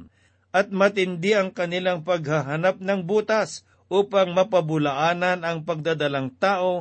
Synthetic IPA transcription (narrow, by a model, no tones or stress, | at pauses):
ʔɐt̪̚mɐt̪ɪnd̪ɪʔɐŋkɐnɪlaŋpɐɡ̚haɦanap̚nɐŋbuːt̪as | ʔuːpɐŋmɐpɐbʊlaʔaːnɐnɐŋpɐɡ̚d̪ad̪ɐlaŋt̪aːʔo̞